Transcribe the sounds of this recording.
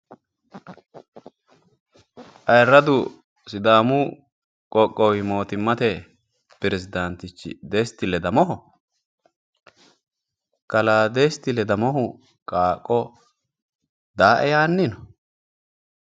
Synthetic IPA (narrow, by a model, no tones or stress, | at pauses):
ʔɐjrɾːɐd̪ʊ | sɪd̪aːmʊ | kʼɔkʼːɔwɪmo̞ːt̪ɪmːɐt̪ɛ | pɪɾɛsɪd̪ɐnt̪ɪt͡ʃːɪ̰d̪est̪ːɪlɛd̪ɐmɔɦʊ | kɐlaːd̪est̪ɪlɛd̪ɐmɔɦʊ | kʼaːkʼːɔ | d̪aːʔɛjaːnːɪnɔ